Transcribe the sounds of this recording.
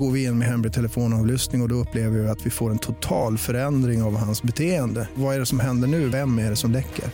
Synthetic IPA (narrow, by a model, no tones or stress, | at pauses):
ɡoːɾvɪɪnːmɛɦɛmɾɪt̪ʰɛləfoːnɑːvlʏst̪nɪŋɔd̪ɔɵpːleːvəɾɪɪat̪vɪfoːɾɛnt̪ʰʊt̪ʰɑːlfœɾɛnd̪ɾɪŋavhansbɛt̪ʰeːənd̪əvaæɖɛsɔmɦɛnd̪əɳʉ̟ːvɛmːæɖɛsɔmd̪ɛkʰːə̰ɾ